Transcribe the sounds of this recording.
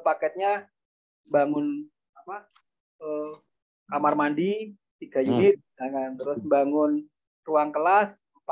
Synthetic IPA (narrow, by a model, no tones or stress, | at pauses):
pakɛt̪̚ɲa | mbaŋʊn | apa | ə | kamarmandi | t̪iɡ̥ajunɪt̪̚d͡ʒaŋant̪əɾʊsmbaŋʊn | ruaŋkəlas | mp